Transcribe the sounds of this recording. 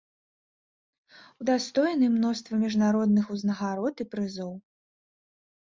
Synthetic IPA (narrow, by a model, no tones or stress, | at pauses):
ud̪ast̪ɔjnɨmnɔst̪vɐmʲiʐnaɾɔd̪̚nɨxuznɐɣaɾɔt̪ipɾɨzɔw